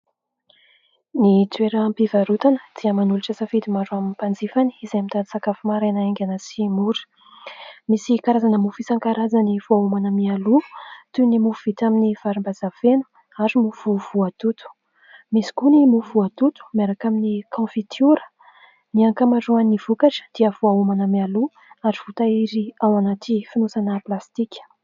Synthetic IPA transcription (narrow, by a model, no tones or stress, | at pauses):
nit̪weɾəmpivaɾut̪anə̥d̪̥iəmanuluʈ͡ʂasafid̪imaɾuaminipand͡zifani̥izeamit̪ad̪isakafumaɾanaeŋɡʲanəsimuɾə̥ | misikaɾazanəmufisaŋkaɾazaniv̥oaumanəmialuu̥t̪unimufuv̥it̪aminiv̥aɾimbazavenu̥ | aɾimuvuvuat̪ut̪u̥ | misi̥kunimuvuat̪ut̪u̥miaɾakaminikʰɑ̃fit̪juɾə̥ | niaŋkamaɖ͡ʐuaniv̥ukaʈ͡ʂə̥d̪̥iəvuaumanəmialu | aɾiv̥ut̪aiɾiawanat̪ifinusanəplast̪ikʲə̥